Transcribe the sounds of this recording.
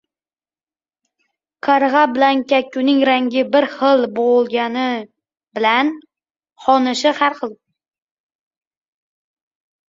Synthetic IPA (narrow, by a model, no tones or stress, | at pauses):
qʰɑɾʁɑbɪlankʲakʲːʊnɪŋɾaŋɡʲɪbɪɾχɨlˠbolˠɡʲanɪ | bɪlan | χɒnɪʃɪhaɾχɨlˠ